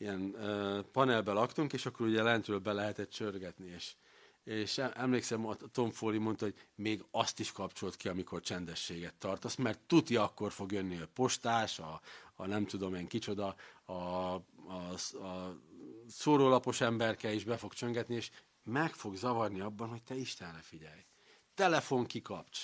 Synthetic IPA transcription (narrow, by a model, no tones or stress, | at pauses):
ijɛnøpɒnɛlbɛlɒkt̪uŋkeːʃɒkːo̞ɾuɟɛlɛnt̪røːlbɛlɛɦɛt̪ɛt̪t͡ʃørɡɛt̪nieːʃ | eːʃɛɛmleːksɛmɒt̪o̞ɱfoːlimo̞nt̪ɒhoɟmeːɡɒst̪iʃkɒpt͡ʃo̞lt̪kiɒmikort͡ʃɛnd̪ɛʃːeːɡɛt̪ːɒrt̪osmɛrt̪ːut̪iɒkːo̞rfo̞ɡjønːiɛpo̞ʃt̪aːʃɒːnɛmt̪ud̪o̞meːŋkit͡ʃo̞d̪ɒɒ | soːɾoːlɒpo̞ʃɛmbɛrkɛiʒbɛfo̞ɡt͡ʃø̞ŋɡɛt̪nieːʃ | mɛkfo̞ɡzɒvɒrniɒbːɒnho̞c̚t̪ɛiʃt̪ɛnrɛfiɟɛj | t̪ɛlɛfo̞ŋkikɒpt͡ʃ